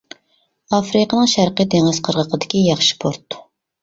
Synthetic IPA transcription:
ɑfɾɨqənɨŋʃæɾqəd̪eŋɨz̥qʰəɾʁəqʰəd̪ɪkʲijɑχʃɪ̥pʰoɾt̪ːu̥

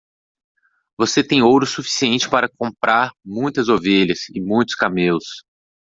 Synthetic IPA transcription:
voset̪ẽj̃owɾʊsufi̥siẽnt͡ʃɪ̥paɾɐkõmpɾʔaɾmũj̃t̪ɐzoveʎɐsɪmũj̃t̪ʊ̥skamelʊs

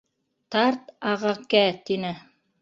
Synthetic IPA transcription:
t̪ɑɾt̪ɑʁɑkæt̪inɘ

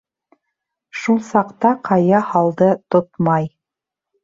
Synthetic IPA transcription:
ʃulˠsɑqt̪ɑqʰɑjɑhɑlˠd̪ɤt̪ot̪mɑj

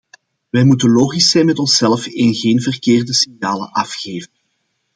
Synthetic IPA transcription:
ʋɛjmutənloːɣisɛjnmɛtɔnsɛlfɪnɣeːnvərkeːrdəsiŋjaːlə̰ʔɑfxeːvən

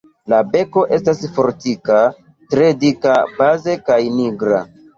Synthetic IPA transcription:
labe̞ko̞ʔe̞stasfo̞ɾtika | tɾe̞dikabaze̞kajniɡɾa̰

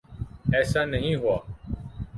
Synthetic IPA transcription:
ɛːsaːnəɦĩːɦʊaː

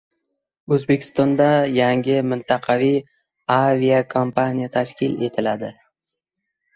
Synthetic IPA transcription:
ɵzbe̞kʲʰɪ̥st̪ɒnd̪ajaŋɡʲɪmɪnt̪ʰɑqʰɑvij | aviakʰompʰanʲijat̪ʰaʃkʲʰɪle̞t̪ʰɪlad̪ɪ

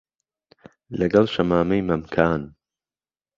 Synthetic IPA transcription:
lɐɡɐlˠʃɐmaːmɐjmɐmkʰaːn

